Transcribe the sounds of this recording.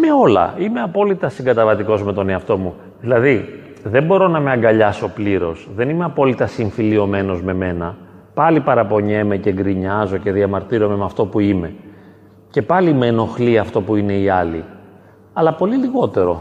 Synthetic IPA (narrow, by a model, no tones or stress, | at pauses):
me̞o̞lɐ̰ime̞ɐpo̞lit̪ɐsiŋɡɐt̪ɐvɐt̪iko̞zmet̪o̞ne̞ɐft̪o̞mu | ðilɐði | ðe̞mbo̞ɾo̞nɐmeɐŋɡɐʎɐso̞pliɾo̞sðenime̞ɐpo̞lit̪ɐsiɱfilio̞me̞no̞zme̞me̞nɐ | pɐlipɐɾɐpo̞ɲe̞me̞ceŋɡɾiɲɐzo̞ce̞ðiɐmɐɾt̪iɾo̞me̞mɐft̪o̞puime̞ | ce̞pɐlimeno̞xliɐft̪o̞puine̞iɐli | ɐlɐpo̞liliɣo̞t̪e̞ɾo̞